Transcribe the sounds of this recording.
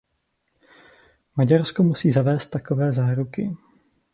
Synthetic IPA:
maɟaɾskomusiːzavɛːst̪ːakovɛːzaːɾukɪ

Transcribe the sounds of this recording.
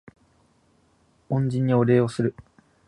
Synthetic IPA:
õɲd͡ʑĩɲ̟ːio̞ɾe̞ːo̞sɨɾɯ̟

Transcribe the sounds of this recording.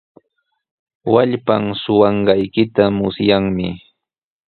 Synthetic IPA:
waʎpamsʊwɑɴɢɑjkɪt̪amʊsjaŋmɪ̰

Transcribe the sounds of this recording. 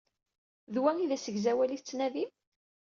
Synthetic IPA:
ðwæŋiðæsəʝzæwæliθt͡sːnæði

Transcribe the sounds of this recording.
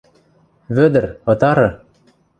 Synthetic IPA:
βød̪ɘ̆rɤ̆t̪ɑɾɤ̆

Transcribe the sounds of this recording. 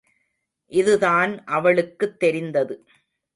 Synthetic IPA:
ʔɪðɯðaːnʔɐʋɐɭɯkːɯt̪ːɛɾɪnd̪ɐðɯ

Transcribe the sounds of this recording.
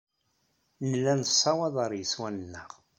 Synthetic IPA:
nəlːænəsˤːɑwɑðˤəɾˤjəswænənːəʁ

